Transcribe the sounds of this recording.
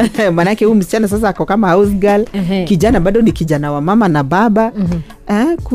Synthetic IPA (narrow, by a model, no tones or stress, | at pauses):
manaakɛhuːm̩s̬i̥t͡ʃanɔs̬as̬aakɔkamaawsɡalkiʄanabaɗɔnikiʄanawamamanabaɓa | ɛk